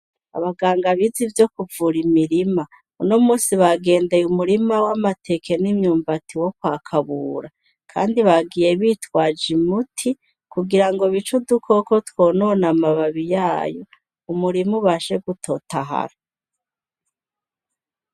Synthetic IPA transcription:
a̰βaɡaːŋɡaβizivjo̞kuvuɾimiɾima | uno̞muːsiβaɡe̞ːnde̞jumuɾimawamatʰe̞ke̞nimɲuːmbatiwo̞kwaːkʰaβuːɾa | kʰa̰ːndiβaɡije̞βitwaːd͡ʒimutʰi | kuɡiɾaŋɡo̞βit͡ʃudukʰo̞ko̞two̞ːno̞ːnamaβaβijaːjo | umuɾimuβaʃe̞ɡutʰo̞taɦa̰ɾa

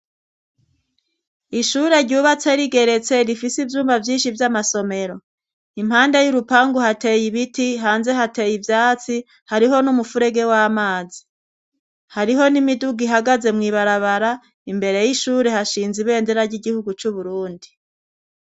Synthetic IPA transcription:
iʃuːɾe̞ɾɟuːβat͡se̞ɾiɡe̞ɾe̞t͡se̞ɾifisivjuːmbavjiːnʃivjamaso̞me̞ɾo̞ | im̥haːndejuɾupaːŋɡuhate̞jiβitiɦaːnze̞ɦate̞jivjaːt͡si | haɾiɦo̞numufuɾe̞ɡe̞waːmaːzi | haɾiɦo̞nimiduɡiɦaɡaze̞mŋiːβaɾaβaɾa | imbe̞ɾe̞jiʃuːɾe̞haʃiːnziβe̞ːndeɾaɾɟiɡihuɡut͡ʃuβuɾuːndi

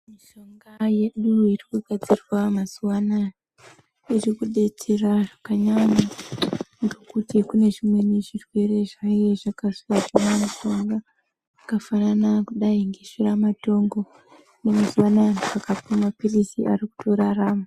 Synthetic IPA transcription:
miʃo̞ŋɡaje̞ɗuirikuɡʱad͡zirwamazuwana | irikuɗe̞tʰeraʐakaɲaɲa | ŋɡekutikune̞ʐimwe̞niʐirwe̞re̞ʐaje̞ʐakaʂikaʐamamiʃo̞ŋɡa | akafananakuɗaiŋɡeʃiramato̞ŋɡo̞ | nemazuwananakapomapirisiʔaɾiku̥tʰoɾaraːma

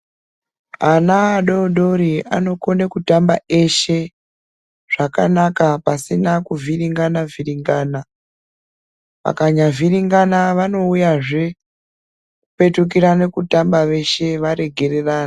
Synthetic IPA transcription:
ɦanaːɗo̞ɗoɾia̰no̞ko̞nekutambae̞ʃe̞ | ʐ̥akanakapasinakuviɾiŋɡanaviriŋɡaːna | ʋa̰kaɲaviɾiŋɡanaʋano̞ujaʐe̞ | kupe̞tuk̬iɾane̞kutambaʋe̞ʃe̞ʋaɾe̞ɡʱe̞re̞raːna

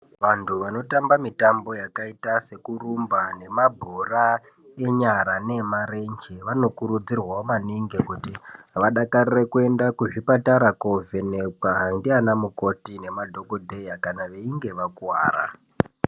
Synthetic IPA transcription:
ʋantʰuʋano̞tambamitambo̞jakaitase̞kurumbane̞mabʱora | e̞ɲaɾane̞maɾe̞ɲd͡ʒeʋano̞kuɾud͡zirwaomaniŋɡekutiɦaʋaɗakarirekue̞ndakuʐipataɾakovenekaɦndianamuko̞tine̞madʱo̞kodʱe̞jakanaʋe̞iŋɡe̞ʋakuwa̰ːra̰

